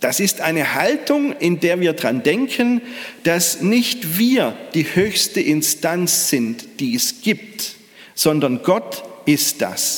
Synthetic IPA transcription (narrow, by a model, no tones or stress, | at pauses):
d̥asɪstʔaɪnəhaltʰʊŋɪndeːɐviːɐdʁandɛŋkʰənd̥asnɪçtv̥iːɐd̥iːhøːçstəʔɪnstant͡sz̥ɪntd̥iːɛsɡ̥iːp̚t | z̥ɔndɐnɡɔtʔɪst̚d̥a̰s